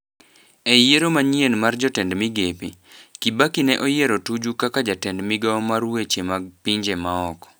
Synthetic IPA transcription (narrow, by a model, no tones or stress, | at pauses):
ejeɾomaɲienmard͡ʒɔtɛndmiɡepḭkibakinɛʔɔjeɾotud͡ʒukakad͡ʒatɛndmɪɡaɔmarwet͡ʃemaɡpiɲd͡ʒemaɔkɔ̥